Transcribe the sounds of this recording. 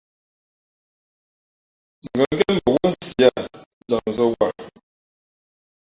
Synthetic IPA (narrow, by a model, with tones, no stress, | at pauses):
ŋ˨ɡə˨˦ɡɛ˦nmə˨wɔ˦n̩˦si˨a˦˨ | d͡za˨m˨zə˦wa˨